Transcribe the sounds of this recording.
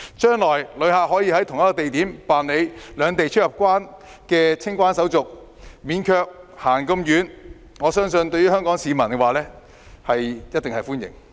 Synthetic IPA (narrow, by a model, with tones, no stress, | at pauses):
t͡ʃœː˥ŋlɔː˨˩jlɵ˨˧˥haː˨k̚hɔː˨˥jiː˧hɐ˨˥jt̪ʰʊ˨˩ŋjɐ˥kɔː˧t̪e˨jt̪iː˨˥mpaː˨˩nle˨˧jlœː˨˧ŋt̪e˨jt͡ʃʰt̚jɐ˨p̚kʷwaː˥n | kɛː˧t͡sʰɪ˥ŋkʷaː˥nsɐ˨˥wt͡sʊ˨k̚ | miː˨˧˥nkʰœː˧k̚haː˨˩ŋkɐ˧mjyː˨˧n | ŋɔː˨˧sœː˥ŋsɵ˧nt̪ɵ˧ɥyː˥hœː˥ŋkɔː˨˥ŋsiː˨˧mɐ˨˩nkɛ˧waː˨lɛː˥ | hɐ˨jjɐ˥t̚t̪ɪ˨ŋhɐ˨jfuː˥njɪ̰˨˩ŋ